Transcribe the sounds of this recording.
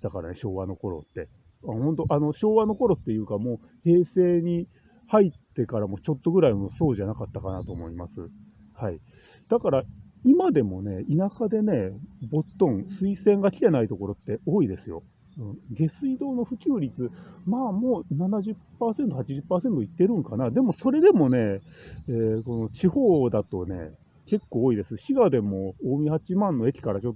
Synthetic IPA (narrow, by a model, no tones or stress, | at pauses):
i̥t̪akaɾa̰neɕo̞ːβano̞ko̞ɾo̞̰t̪ːe̞ | ahõ̞nt̪o̞ʔano̞ɕo̞ːβano̞ko̞ɾo̞t̪ːe̞jɯ̟ːkamo̞ː | he̞ːse̞ːɲ̟i | hait̪ːe̞kaɾamo̞ːt͡ɕo̞t̪ːo̞ɡɯɾaimoːso̞ːʑanakat̪ːakanat̪o̞ːmo̞imasɨ | hai | d̪̥akaɾa | imad̪e̞mo̞ne̞inakad̪e̞ne̞bo̞t̪ːõ̞ŋ̃sɨisẽ̞ŋɡakʲi̥t̪e̞nait̪oko̞ɾo̞t̪ːe̞o̞ːid̪e̞sɨjo̞̰ | ɯ̟̃ɴɡe̞sɨid̪o̞ːno̞ɸɯ̟kʲɨːɾʲit͡sɨmaːmo̞ːnanaʑɨpːaːse̞nt̪o̞hat͡ɕiʑɨpːaːse̞nt̪o̞it̪ːe̞ɾɯ̟̃ŋkanad̪e̞mo̞so̞ɾe̞d̪e̞mo̞ne̞eːko̞no̞t͡ɕiho̞ːd̪at̪o̞ne̞̰ | ke̞kːo̞ːid̪e̞sɨɕiɡad̪e̞mo̞oːmʲihat͡ɕimãnːo̞e̞kʲi̥kaɾat͡ɕo̞t̪ːo